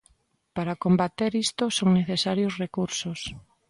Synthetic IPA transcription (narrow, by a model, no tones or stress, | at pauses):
paɾakombat̪eɾist̪ʊsoŋneθesaɾjosrekuɾsos